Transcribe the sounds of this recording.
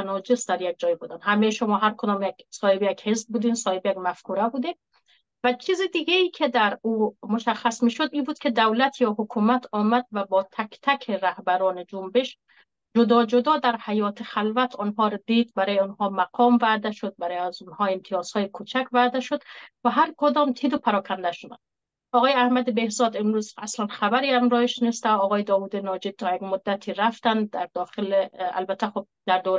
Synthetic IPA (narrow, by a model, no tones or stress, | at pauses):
nɒːd͡ʒesd̪æɾjek̚d͡ʒɒːjibuːd̪ænhæmejʃomɒːɦæɾkʰod̪ɔːmjeksɒːhebjækhezb̚buːd̪iːnsɒːhebjækmæfkʰuɾæbuːd̪in | væt͡ʃʰiːzid̪iɡeiːkʰed̪æɾuːmoʃæxːæsmiːʃod̪iːbuːd̪kʰed̪æwlæt̪ʰjɒːɦokʰumæt̪ʰɒːmæd̪væbɒːt̪ʰækt̪ʰækʰeɾæhbæɾɒːned͡ʒombeʃ | d͡ʒod̪ɒːd͡ʒod̪ɒːd̪æɾhæjɒːt̪ʰexælvæt̪ʰɔnɦɒːɾd̪iːd̪bæɾɔːjeʊnɦɒːmæqʰɒːmvæd̪æʃod̪̚bæɾɔːjæzʊnhɒːemt̪ʰijɒːshɒːjekʰut͡ʃʰækvæd̪æʃod̪væɦæɾkod̪ɒːmt̪ʰid̪opʰæɾɒːkʰænd̪æʃod̪æ̰n | ɒːɣɒːjeæhmæd̪ebehzɒːd̪emɾuːzæslænxæbæɾiːæmɾɒːjeʃnest̪æɒːɣɔːjed̪ɒːvuːd̪inɒːd͡ʒed̪̚t̪ʰɒːjeɡmod̪ːæt̪ʰiːɾæft̪ænd̪d̪æɾd̪ɒːxelea̰lbæt̪ʰːæxob̚d̪æɾd̪oɾ